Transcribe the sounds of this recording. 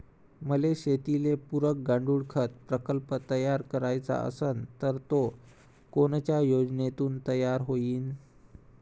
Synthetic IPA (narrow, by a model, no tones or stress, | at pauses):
məleɕet̪ilepuɾək̚ɡaɳɖuːɽkʰət̪̚pɾəkəlpət̪əjaɾkəɾajt͡sa̰ə̰sənt̪əɾt̪o | koɳt͡ɕjajod͡znet̪uːnt̪əjaɾɦoiːn